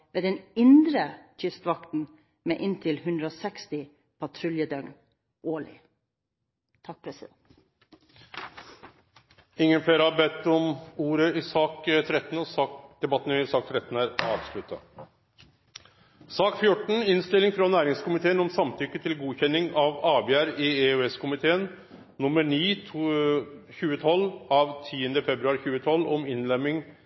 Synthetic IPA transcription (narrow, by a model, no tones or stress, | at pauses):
ʋeːd̪ɛnɪnd̪ɾəçʰʏst̪ʋɑkt̪n̩ | mḛːʔɪnt̪ʰɪlhʉnd̪ɾəoːsɛkst̪ɪ | pʰɑt̪ʰɾʊljəd̪œŋn | ʔoːlɪ̰ | t̪ʰɑk̚pʰɾɛsɪd̪ɛnt̪ | ɪŋːənfleːɾəhɑɾbɛt̪ːɔmuːɾəɪsɑːkt̪ʰɾɛt̪ːn̩ɔsɑːkd̪̥ɛbɑt̪ːənəɪsɑːk̚t̪ʰɾɛt̪n̩æːɾɑ̰ːʋslʉt̪ːɑ̰ | sɑːkfjʊʈːɳ̩ɪnst̪ɪlɪŋfɾɑnæːɾɪŋskʊmɪt̪ʰeːənɔmsɑmt̪ʰʏkːət̪ʰɪlɡuːçɛnːɪŋɑʋɑːbɛæːɾɪeʉɛskʰʊmɪt̪ʰeːənː | ʊmːəɳiː | çʉːət̪ʰɔlːɑʋt̪ʰiːənd̪əfɛbɾʉɑːɾçʉːət̪ʰɔlːɔmɪnlɛmɪŋ